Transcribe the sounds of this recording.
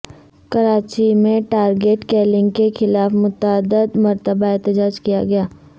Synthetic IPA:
kɐɾaːt͡ʃimẽʈaːɾɡeːʈkɛːlɪ̃ŋɡkexɪlaːfmʊt̪aːd̪əd̪mɐɾt̪əbaɛɦt̪əd͡ʒaːd͡ʒkijaɡɐjaː

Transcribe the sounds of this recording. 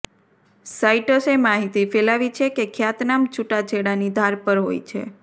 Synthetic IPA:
sajʈəsemaɦit̪ifɛlaʋit͡ʃʰekekʰjat̪namt͡ʃuʈad͡ʒeɽanid̪ʱaɾpəɾɦo̰jt͡ʃʰḛ

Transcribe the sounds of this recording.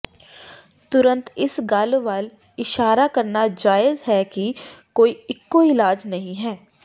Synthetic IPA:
t̪ʊɾə̃nt̪ɪsɡɐlʋal | ɪʃaːɾakɐɾnad͡ʒaːɪzɦɛːkikoːiɪkːoɪlaːd͡ʒnɐɦĩɦɛː

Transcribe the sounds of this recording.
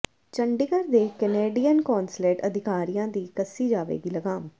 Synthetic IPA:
t͡ʃəɳɖɪɡəɾd̪eːkəneːɖiːjənkɔːnsleːʈəd̪ʱɪkaːɾijãːd̪iːkəsiːd͡ʒaːʋḛːɡiːləɡaːm

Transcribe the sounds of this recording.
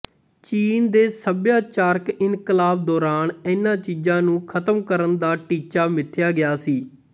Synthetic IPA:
t͡ʃiːnd̪eːsəbjaːt͡ʃaːɾkɪnkəlaːb̚d̪ɔːɾaːnɪnãːt͡ʃiːd͡ʒãːnũːkʰət̪əmkəɾənd̪aːʈiːt͡ʃaːmɪt̪ʰːjaːɡɪjaːsiː

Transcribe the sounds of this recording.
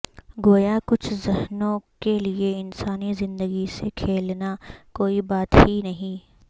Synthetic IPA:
ɡoːjakʊt͡ʃʰzɪhnõkelieɪnsaːnizɪ̃nd̪əɡisekʰeːlnakoːibaːt̪hinɐɦĩː

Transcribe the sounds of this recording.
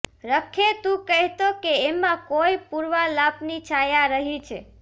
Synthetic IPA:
ɾəkʰet̪ũkəɦt̪okeemːãkojpuɾʋalapnit͡ʃʰajaɾəɦit͡ʃʰe

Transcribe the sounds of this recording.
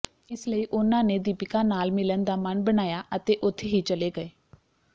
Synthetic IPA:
ɪsləiːʔʊnãːneːd̪iːpɪkãːnaːlmɪlənd̪aːmənbənaːjaːʔət̪eːʔʊt̪ʰːeɦiːt͡ʃəleːɡəeː

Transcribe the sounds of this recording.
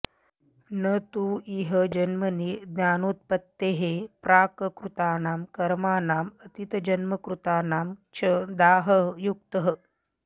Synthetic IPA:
nət̪uiɦəd͡ʒɐnməniːd̪njaːnuːt̪̚pɐt̪ːeɦepɾaːkəkɾut̪aːnaːmkɐɾmaːnaːmət̪it̪əd͡ʒɐnməkɾut̪aːnaːmt͡ʃʰəd̪aːɦəjuk̚t̪əɦə

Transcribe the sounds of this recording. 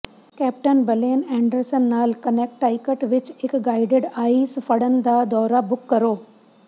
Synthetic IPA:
kɛːpʈənbəleːnɛ̃ːɳɖəɾsənːaːlkəneːk̚ʈːaːɪkəʈʋɪt͡ʃɪkɡaːɪɖeɖaːisfəɽənɪd̪ad̪ɔːɾabʊkːɐɾoː

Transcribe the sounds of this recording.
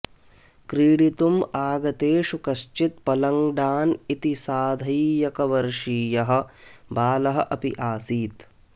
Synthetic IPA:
kɾiːɽit̪umaːɡɐt̪eːʂukɐʃt͡ʃit̪̚pɐlɐŋɖaːnit̪isaːd̪ʱɐjjɐkɐʋɐɾʂiːjɐɦɐ̆baːlɐɦɐ̆ʔɐpḭʔaːsiːt̪

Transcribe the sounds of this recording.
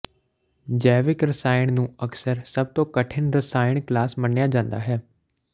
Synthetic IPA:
d͡ʒɛːʋɪkɾəsaːɪɳnũːəksəɾsəb̚t̪õːkəʈʰɪnɾəsaːɪɳklaːsmənjaːd͡ʒãːnd̪a̰ːɦɛː

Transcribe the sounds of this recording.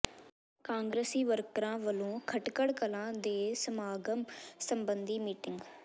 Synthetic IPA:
kãːŋɡɾesiːʋəɾkɾãːʋəlõːkʰəʈkəɽkəlãːd̪eːsəmaːɡəmsəmbənd̪iːmiːʈɪŋɡ

